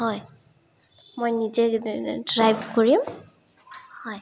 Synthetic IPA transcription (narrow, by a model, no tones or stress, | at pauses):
hɔj | mojnizɛdɹajbkoɹim | hɔj